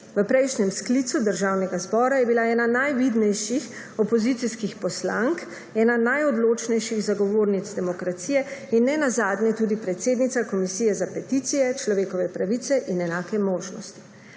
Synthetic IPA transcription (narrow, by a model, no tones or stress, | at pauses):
ʋəpɾɛjʃnʲɛmskliːt̪sud̪əɾʒaːwnɛɡazbɔːɾajɛbilaɛːnanajʋid̪nɛjʃix | ɔpɔzit̪siskixpɔsla̰ŋk | ɛːnanajɔd̪loːt͡ʃnɛjʃiɣzaɡɔʋoːɾnit̪zd̪ɛmɔkɾat̪sijɛinːɛnazaːd̪nɛt̪uːd̪ipɾɛt̪seːd̪nit̪sakɔmisijɛzapɛt̪it̪sijɛt͡ʃlɔʋeːkɔʋɛpɾaʋit̪sɛʔinɛnaːkɛmoːʒnɔ̰st̪i̥